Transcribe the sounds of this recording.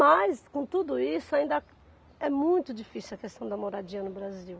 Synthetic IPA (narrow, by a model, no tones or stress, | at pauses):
mɐskõt̪ud̪ʊisʊaĩnd̪ɐ | ɛmũj̃t̪ʊd͡ʒifisuɐkest̪ɐ̃w̃d̪ɐmoɾad͡ʒiɐnʊbɾaziw